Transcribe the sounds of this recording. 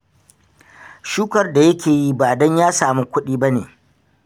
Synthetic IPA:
ʃuː˦kɐ˨rda˨jɐ˦kʲʰeː˨ji˦baː˨dɔ˦ɲjaː˦saː˨muː˦kʷʊ˦ɗiː˦ba˦neː˨

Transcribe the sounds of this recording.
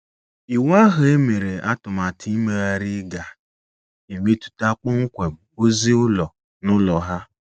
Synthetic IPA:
i˨wa˦ɦʊ˨e˦me˨ɾe˨a˦tʊ˨ma˨tʰi˦i˦me˨a˦ɾɪ˦ɡa˨ | e˨me˦tu̥˦ta˦k͡pʊ˦ŋ̩˦kʷe˨o˦zi˦ʊ˦lɔ˨ | nʊ˦lɔ˨ɦa˦

